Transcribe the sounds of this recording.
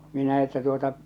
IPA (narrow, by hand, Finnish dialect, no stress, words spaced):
minæ etːæ tuotɑ